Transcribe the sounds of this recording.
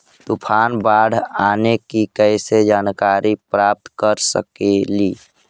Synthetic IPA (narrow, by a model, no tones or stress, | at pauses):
t̪upʰaːnbaːɽʱaːnekikəɪsed͡ʒaːnkaːɾipɾaːp̚t̪kəɾsə̰keliː